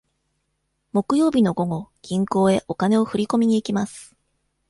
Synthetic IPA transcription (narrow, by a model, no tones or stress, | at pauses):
mo̞kɯ̟jo̞ːbʲino̞ɡo̞ɡo̞ɡ̥ʲĩŋko̞ːe̞ʔo̞kane̞o̞ɸɯ̟ɾʲiko̞mʲiɲ̟iːkʲimasɨ̥